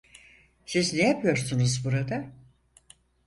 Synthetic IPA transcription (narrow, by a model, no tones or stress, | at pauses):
siznejapʰɯjo̞ɾsunuzbuɾad̪a